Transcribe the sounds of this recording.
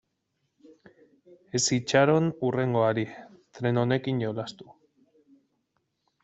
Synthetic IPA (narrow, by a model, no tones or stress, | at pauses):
e̞sit͡ʃaɾo̞nure̞ŋɡo̞aɾit̪ɾe̞no̞ne̞kiɲɟo̞last̪u̥